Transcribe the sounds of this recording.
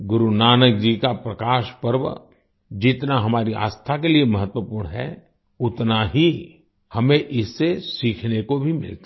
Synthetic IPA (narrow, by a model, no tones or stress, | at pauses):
ɡʊɾunaːnək̚d͡ʒikapɾɐkaːʃpəɾʋə̰ | d͡ʒɪt̪naɦɐmaːɾia̰ːst̪ʰakeliemɐɦət̪wəpuːɾɽɳɦɛ̰ | ʊt̪naɦi | hɐmẽʔɪsːesiːkʰnekobʱimɪ̰lt̪a